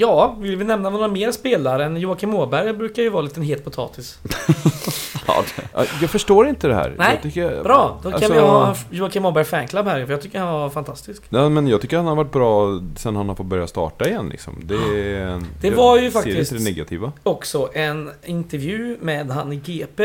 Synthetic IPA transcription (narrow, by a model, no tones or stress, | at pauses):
jɑːvɪvɪlɛmnanːɾameːɾspeːlaɾəɛnjuːakʰɪmoːbæɾjbɾʉ̟ːkaɾjɵvɑːliːt̪ənɦeːlt̪̚pʰʊt̪ʰɑ̰ːt̪ʰɪs | ɑ̰jɑːɡfœʂʈoːɾɪnt̪əd̪ɛhæ̰ːɾnɛɑɪt̪ʏkːəbɾɑːd̪̥ɔk̪ʰanɪjhɑjuːakʰɪmoːbæɾjfɛŋkʰlabhæɾjfœjɑɡt̪ʏkːəɾhanvaɾfant̪ʰast̪ɪskjɑːmɛnjɑːt̪ʰʏkːəɾhanhaɾvaʈ̚ːbɾɑːsɛnːhanhaɾfɔt̪bœɾja̰st̪ɑ̰ːʈaɪjɛnːlɪ̰ksɔ̰md̪ɛ̥ | ɛvaɾjɵfak̪ɪst̪əd̪ɛɛnɛɡat̪ʰḭːvaɔksɔʔɛnɪnt̪ɛɾvjʉ̟ːmɛd̪ɦanɪɡeːpeː